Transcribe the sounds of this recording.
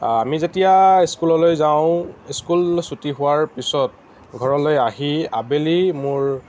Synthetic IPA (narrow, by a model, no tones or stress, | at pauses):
amizetijaiskulɔlojzaʊ̃iskulsutiɦʊaɹpisɔt̚ | ɡʱɔɹɔlojaɦiabelimʊɹ